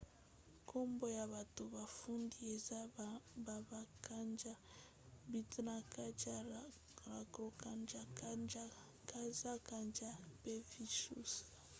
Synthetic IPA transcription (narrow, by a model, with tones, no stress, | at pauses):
kʰo˦mbo˦ja˨βa˨to˨ba˨fu˦ndi˦e˨za˦ba˨ba˨ka˦nd͡ʒa˦ | bi˨tna˨ka˦d͡ʒa˦ | ɾa˨kɾo˨ka˦˨nd͡ʒa˦d͡ʒa˦ | ka˦za˦ka˨nd͡ʒa˦pe˦vi˦ʃṵ˦sa˨